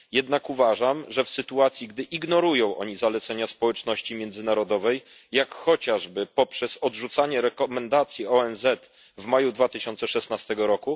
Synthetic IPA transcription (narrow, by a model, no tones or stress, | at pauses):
jɛd̪nakuvaʐamʐɛfsɘt̪uat̪sʲjiɡd̪ɘʔiɡnɔɾujɔ̃w̃ʔɔ̰ɲizalɛt̪sɛɲaspɔwɛt͡ʂnɔɕt͡ɕimʲjɛnd̪zɘnaɾɔd̪ɔvɛjː | akxɔt͡ɕaʐbɘpɔpʂɛzɔdʐut̪saɲɛɾɛkɔmɛnd̪at̪sʲjiɔɛnzɛt̪ | vmajud̪vat̪ɘɕɔnt̪sɛʂɛsnast̪ɛɡɔɾɔku